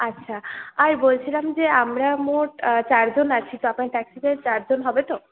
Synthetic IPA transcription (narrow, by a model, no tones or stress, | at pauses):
atːɕʰaaɾbolt͡ɕʰilamd͡ʑeamɾamoʈt͡ɕaɾd͡ʑonat͡ɕʰit̪ɔapnaɾʈɛksid̪eɾt͡ɕaɾd͡ʑonɦɔbet̪o